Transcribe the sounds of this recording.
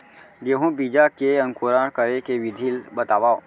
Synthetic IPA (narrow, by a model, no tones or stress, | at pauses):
jeɦũbiːd͡ʒakeə̃ŋkoɾaːɽ̃kəɾekeʋɪd̪ʱilbət̪aːʋaːo